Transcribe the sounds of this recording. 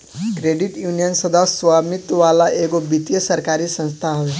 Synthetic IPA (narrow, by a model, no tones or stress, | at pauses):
kɾeɖiʈjunijənsəd̪ʱasʋamit̪ʋalaʔeɡobit̪ijəsəɾkaɾiːsə̃st̪ʰaɦə